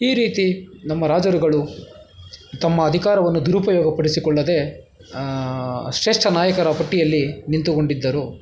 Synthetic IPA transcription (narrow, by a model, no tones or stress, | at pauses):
iːɾiːt̪inɐmːɐɾaːd͡ʒɐɾuɡɐɭu | t̪ɐmːɐːd̪ʱikaːɾɐʋɐnːud̪uɾupɐjɔːɡɐpɐɽisikɔɭːɐd̪e̞ | ʃɾeːʂʈɐnaːjɐkɐɾɐpɐʈːijɐlːinint̪ukoɳɖid̪ːɐɾu